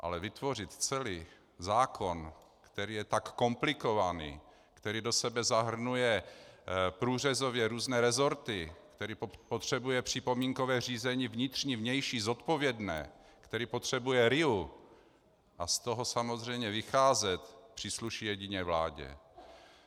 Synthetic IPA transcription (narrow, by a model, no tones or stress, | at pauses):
ʔa̰lɛvɪt̪vo̞r̝ɪt̪t͡sɛliː | zaːkʰo̞n | kt̪ɛɾiːjɛt̪akːo̞mplɪko̞vanḭː | kt̪ɛɾiːdo̞sɛbɛzaɦr̩nujɛ | pɾuːr̝ɛzovjɛɾuːznɛːɾɛzo̞ɾt̪ɪkt̪ɛɾiːpot̪r̝̥ɛbujɛpr̝̥ɪpo̞miːŋkovɛːriːzɛɲivɲɪt̪r̝̥ɲivɲɛjʃiːzo̞t̪po̞vjɛdnɛ̰ː | kt̪ɛɾiːpo̞t̪r̝̥ɛbujɛɾɪu | ʔast̪o̞ɦo̞samozr̝ɛjmɲɛvɪxaːzɛt̪pr̥iːsluʃijɛɟɪɲɛːvla̰ːɟɛ̰